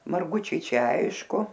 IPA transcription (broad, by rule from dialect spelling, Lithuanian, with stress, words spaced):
mɐrˈɡʊt͡ʃʲɛɪ ˈt͡ʃʲɛ ˈɐɪʃkʊ